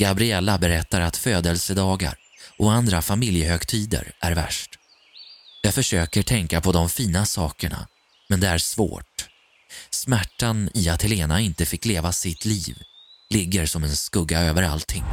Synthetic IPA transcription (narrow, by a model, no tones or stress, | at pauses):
ɡ̥abɾɪɛlːabɛɾɛt̪ːaɾat̪føːd̪əlsəd̪ɑːɡa̰ɾ | ʔɔand̪ɾafamɪljəhœɡt̪ʰiːd̪ə̰ɾʔæɾvæ̰ʂʈ | jaːɡfœʂøːkəʈʰɛŋkapʰɔd̪ɔmfiːnasɑːkəɳa̰ | mɛnd̪ɛæsvo̰ːʈ | smæʈːanɪat̪hɛleːnaɪnt̪əfɪkːleːvasɪt̪ʰliːvlɪɡːəɾsɔmɛnskɵɡːaøːvəɾa̰lt̪ʰɪŋː